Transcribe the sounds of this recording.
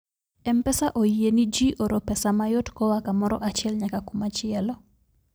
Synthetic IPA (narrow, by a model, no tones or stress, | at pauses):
ɛmpɛsaʔoienid͡ʒiʔɔɾɔpɛsamajɔtkɔwakamɔɾɔ̰ʔat͡ʃɪɛlɲakakumat͡ʃɪɛlɔ